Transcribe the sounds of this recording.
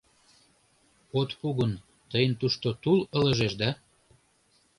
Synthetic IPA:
ot̪puɣən | t̪əjənt̪uʃt̪ot̪ulələʒeʃd̪ɑ

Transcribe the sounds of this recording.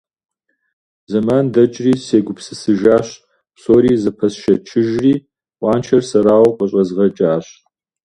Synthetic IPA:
zɐmaːndɐt͡ʃʼriːseːɡʷʊpsɨsɨʒaːɕ | psoːɾiːzɐpʰɐsʃɐt͡ʃʰɪʒriː | wɑːnt͡ʃʰɐrsɐɾaːwqʼɐɕʼɐzʁɐt͡ʃʼaːɕ

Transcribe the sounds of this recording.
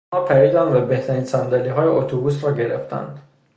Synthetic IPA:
ɒːpʰæɾiːd̪ænd̪væbe̞ht̪ʰæɾiːnsænd̪æliɦɒːje̞ot̪ʰobuːsɾɒːɟe̞ɾeft̪ʰæ̰nd̪

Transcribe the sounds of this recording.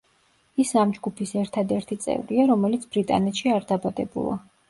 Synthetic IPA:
isamd͡ʒɡupʰisɛɾt̪ʰad̪ɛɾt̪ʰit̪sʼɛ̰vɾiaɾɔmɛlit̪sʰb̥ɾit̪ʼa̰nɛt̪ʃiaɾd̪abad̪ɛ̰bṵlˠa̰

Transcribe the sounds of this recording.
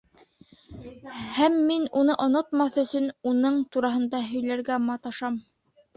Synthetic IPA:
hæmːinunɤʔŏnŏt̪mɑθɵ̆sɵnunɤɴt̪uɾɑɦɤ̆nd̪ɑɦɵ̆jlæɾɡæmɑt̪ɑʃɑm

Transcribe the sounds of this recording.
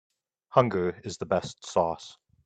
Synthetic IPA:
hʌ̃ŋɡəɪzðəbɛstsɔˑs

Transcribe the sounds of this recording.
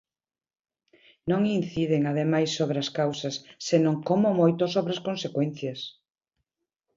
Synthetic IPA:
nõŋinθiðeŋaðemajsːoβɾeɐskawsɐsːenõŋkomomojt̪osoβɾɐskõnsekwɛn̟θjɐs

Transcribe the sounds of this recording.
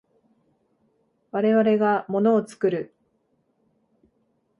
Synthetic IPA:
βaɾe̞βaɾe̞ɡamo̞no̞ːt͡sɨ̥kɯ̟ɾɯ̟

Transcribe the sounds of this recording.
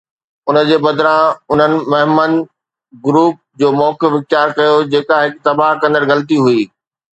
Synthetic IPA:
ʊnəd͡ʑeːbɐd̪ɾãʊn̤ənɪ̆mɐɦɪmən | ɡʊɾuːp̚d͡ʑoːmɔːkɪfʋɪk̚t͡ɕaːɾkɐjod͡ʑeːkaɦɪkt̪ɐbaɦkɐ̃nd̪əɾɣɐlət̪̬iɦuiː

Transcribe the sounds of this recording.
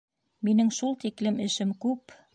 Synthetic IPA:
minɘŋʃulˠt̪iklɘmɘ̆ʃɘmkʉp

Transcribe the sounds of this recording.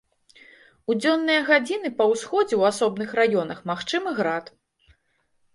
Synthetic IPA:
ud͡zʲɔnːɨjɐɣad͡zʲinɨpɐwsxɔd͡zʲɛwasɔbnɨxrajɔnɐxmaxt͡ʂɨmɨɣɾat̪

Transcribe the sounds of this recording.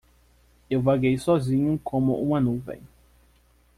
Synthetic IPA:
ewvaɡejsɔzĩɲʊkʰõmʊʔũmɐnuvḛ̃j̃

